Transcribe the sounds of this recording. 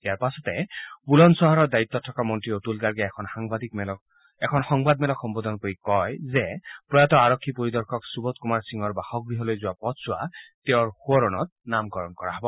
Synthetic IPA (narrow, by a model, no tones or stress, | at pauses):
jaɾpasɔt̪ebulɔnsɔɦɔɾɔd̪ait̪ːɔtʰːɔkamɔntɾioʈulɡaɾɡɛkʰɔnhaŋbad̪ikml | ekʰɔnxɔŋbad̪mɛlɔkʰxɔmbɔd̪ʱɔnkoɾikɔjzepɹɔjat̪ɔaɾɔkʰːipɔɾid̪ɔɾkʰɔksubɔt̪kumaɾsiŋɔɾbaxɔɡ̚ɡɹiɦɔlojzuapɔtsuat̪eoɾhuɔɾɔnɔt̪̚namkɔɾɔnkɔɾaɦɔbɔ